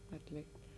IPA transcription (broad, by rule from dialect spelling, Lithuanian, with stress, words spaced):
ɐtʲˈlʲeːktʲ